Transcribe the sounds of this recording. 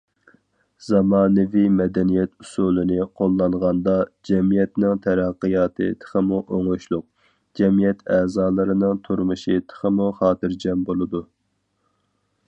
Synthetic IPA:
z̥ɑmɑːnɨvimɛd̪ɛnijɛt̪ʰusulˠɨnɨqʰolˠːɑŋʁɑnd̪ɑd͡ʒɛmijɛt̪nɪŋt̪ʰæɾɑqːɨjɑːt̪ʰɨ̰t̪ʰə̥χəmuʔoŋoʃlˠʊq̚ | d͡ʒɛmijɛt̪ʰɛːzɑːlˠɨɾɨnɨŋt̪ʰuɾmuʃit̪ʰə̥χəmuχɑːt̪ɨɾd͡ʒɛmbolˠɨd̪u

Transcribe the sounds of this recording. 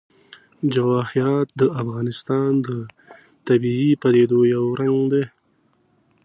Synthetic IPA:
d͡ʒawɑːhɪɾɑːt̪̚d̪əafɣɑːnɪst̪ɑnd̪ə | t̪abiipad̪ed̪ojawɾaŋɡd̪e

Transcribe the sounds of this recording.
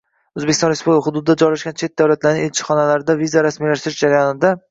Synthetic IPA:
ɵzbekʲɪsɒ̃nɾespublʲkχʊd̪ʊd̪ɪd̪ad͡ʒɒɾlaʃɡʲant͡ʃʰe̞t̪̚d̪awlat̪laɾnɪŋelt͡ʃʰɪ̥χɒnalaɾɪd̪avizaɾasmilaʃt̪ɪɾɪʃd͡ʒaɾajɒnɪd̪a

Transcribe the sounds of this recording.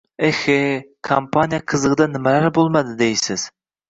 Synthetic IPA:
exekʰampʰɑnijɑqʰɨzəʁd̪ɑnɪmɛlæɾbolˠmɑd̪ɨd̪ejsɪz̥

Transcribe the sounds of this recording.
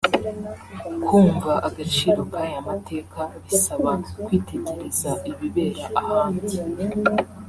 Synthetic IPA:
kʰuːɱvaʔaɡat͡ʃiːɾo̞kaːjamatʰe̞ːkʰaβisaβakwiːtʰe̞ɟe̞ɾezaiβiβe̞ːɾaʔahaːnzi

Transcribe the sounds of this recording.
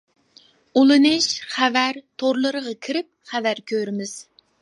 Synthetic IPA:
ulˠɨnɨʃχævæɾt̪ʰoɾlˠɨɾəʁɑkʲʰiɾɪp̚χævæɾkʲʰøɾɪmɪz̥

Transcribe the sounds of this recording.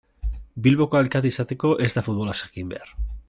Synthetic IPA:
bilβo̞koalkat̪isat̪e̞ko̞ʔe̞zd̪afut̪̚βo̞lasḁkimbe̞̰aɾ

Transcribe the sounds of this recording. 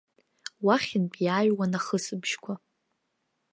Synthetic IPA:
waχʲɪnbʼjaːɥwanaχəsɨbʒkʷʰa

